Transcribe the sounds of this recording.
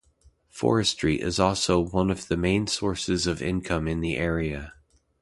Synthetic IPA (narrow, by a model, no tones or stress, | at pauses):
fɔ̰ɹɨstɹ̥iʔɪ̰zɔlˠsoʊwʌ̃nʌvðɨmẽɪ̃nsɔɹsɨzʌvɪ̰̃nkʰʌ̃mɨ̃nðiʔɛɹiɨ